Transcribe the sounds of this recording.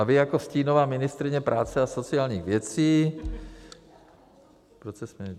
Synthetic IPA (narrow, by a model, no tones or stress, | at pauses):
avɪjako̞sciːno̞vaːmɪnɪst̪ɾɪɲɛpɾʔaːt͡sɛaso̞t͡sɪaːlɲiːɣvjɛt͡siː | pɾot͡sɛsmɪ